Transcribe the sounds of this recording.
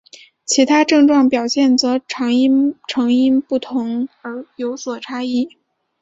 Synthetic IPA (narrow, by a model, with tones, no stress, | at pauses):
t͡ɕʰi˧˥t̪ʰa˥ʈ͡ʂɤ˥˧ŋʈ͡ʂwɑ˥˩ŋpjɑ˨˩ʊɕjɛ˥˩nt͡sɤ˧˥ʈ͡ʂʰɑ˧˥ŋi˥ʈ͡ʂʰɤ˧˥ŋi˥npu˥˩t̪ʰʊ˧˥ŋə˞˧˥jo˧˥ʊswɔ˨˩ʈ͡ʂʰa˥i˥˩